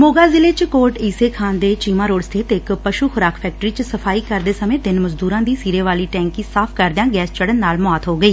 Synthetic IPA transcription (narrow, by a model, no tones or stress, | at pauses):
moːɡaːzɪleːt͡ʃkoːɾʈiːseːkʰaːnd̪eːt͡ʃiːmaːɾoːɖst̪ʰeːt̪ɪkpəʃuːxʊɾaːkʰpʰɛːk̚ʈəɾiːt͡ʃsəpʰaːiːkəɾd̪eːsəmẽːd̪ɪnməzd̪uːɾãːd̪iːsiːɾeːʋaːliːʈɛ̃ːŋkĩːsaːpʰkəɾd̪jãːɡɛːst͡ʃəɽənːaːlmʊaːt̪ɦoːɡəiː